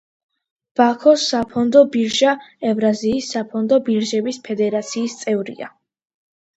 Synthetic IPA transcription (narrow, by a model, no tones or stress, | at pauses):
b̥akʰɔsapʰɔnd̪ɔbiɾʒaɛvɾaziːsːapʰɔnd̪ɔbiɾʒɛbispʰɛd̪ɛɾat̪sʰiːst̪sʼɛvɾḭa̰